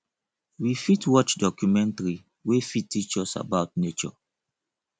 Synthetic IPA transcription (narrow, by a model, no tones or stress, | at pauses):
wifitwɔt͡ʃdɔkjumɛ̃ntaɹi | wefitːit͡ʃɔsa̰baʊtnet͡ʃɔ̰